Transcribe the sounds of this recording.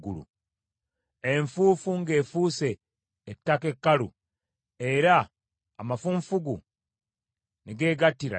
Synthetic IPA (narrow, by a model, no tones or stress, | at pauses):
ɡulṵ | eɱfuːfuŋɡe̞ːfuːse̞ː | tːakekːalu | e̞ɾaː | mafuɱfuɡu | neɡe̞ːɡatːiɾa̰